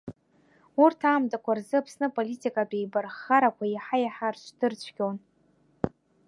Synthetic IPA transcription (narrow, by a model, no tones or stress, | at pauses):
urtʰaːmtʼakʷʰarzɨapʰsnɨpʼolitʼikʼapʼejbarχaɾakʷʰajħajaħarʃʷʰdɨrt͡ɕʷʰɡʲon